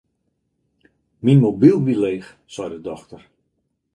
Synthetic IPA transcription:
minmobilˠʋileːx | sɛjdədɔxtər

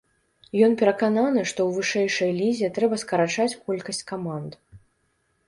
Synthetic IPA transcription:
jɔnpʲɛɾɐkananɨʂt̪ɔwvɨʂɛjʂɐjlʲizʲɛt̪ɾɛbɐskɐɾat͡ʂat͡sʲkɔlʲkɐsʲt͡sʲkamand̪

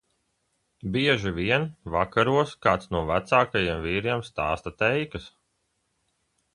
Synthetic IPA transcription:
biɛʒiviɛnvakaɾuɔskaːt̪snuɔvæt̪saːkajiɛmviːɾiɛmst̪aːst̪at̪ɛjkɐs

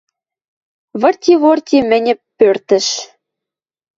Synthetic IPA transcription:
βɤ̆rt̪ʲiβort̪ʲimɘ̆nʲɘ̆pːørt̪ɘ̆ʃ

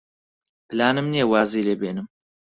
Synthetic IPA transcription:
pɨlaːnɨmnijɛwaːziːleːbeːnɨm

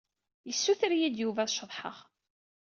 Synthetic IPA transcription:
jəsːuθɾjid̪juvæðʃəðˤħə̰ʁ

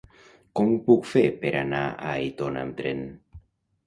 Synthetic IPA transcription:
kompukfepeɾanaaejt̪ona̰mt̪ɾḛn

